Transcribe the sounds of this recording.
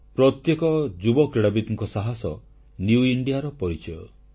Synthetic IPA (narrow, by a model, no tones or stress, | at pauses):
pɾɔt̪jekɔd͡ʒubɔkɾiɽabit̪ɔŋkɔsaɦasɔ | njuiɳɖijaɾɔpɔɾit͡ʃɔjɔ̰